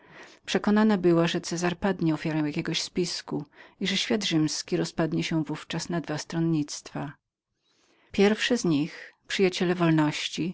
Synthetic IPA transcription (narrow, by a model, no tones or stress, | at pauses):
pʂɛkɔnanabɘwaʐɛt̪sɛzaɾpad̪ɲɛɔfʲjaɾɛw̃jakʲɛɡɔɕspʲiskuiʐɛɕfʲjad̪ʐɘmskʲiɾɔspad̪ɲɛɕɛ̃vuft͡ʂasnad̪vast̪ɾɔnɲit̪st̪fa | pʲjɛɾfʂɛzɲixpʂɘjat͡ɕɛlɛvɔlnɔɕt͡ɕi